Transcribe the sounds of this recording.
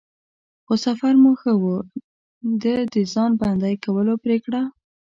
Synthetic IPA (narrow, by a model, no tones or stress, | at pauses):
xosafaɾmuxəwu | d̪əd̪əzɑnband̪ajkawəlopɾekɽa